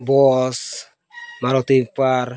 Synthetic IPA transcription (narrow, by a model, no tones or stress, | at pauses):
bɔs | maɾɔtipar